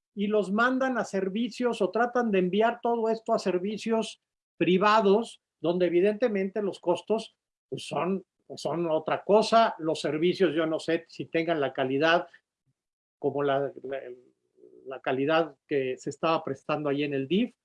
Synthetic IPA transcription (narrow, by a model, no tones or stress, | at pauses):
ilo̞zmãnd̪anase̞ɾβisjo̞so̞t̪ɾat̪and̪e̞ːmbjaɾt̪o̞ð̞o̞e̞st̪o̞ase̞ɾβisjo̞s | pɾiβað̞o̞s | ðo̞nd̪eːβ̞ið̞e̞nt̪e̞mẽ̞nt̪e̞lo̞sko̞st̪o̞s | pwesːo̞n | eso̞not̪ɾako̞salo̞sːe̞ɾβisjo̞zʝono̞se̞sit̪e̞ŋɡanlakaliðað | ko̞mo̞la | lakaliðaðke̞se̞ːst̪aβapɾe̞st̪and̪oaʝie̞ne̞ld̪if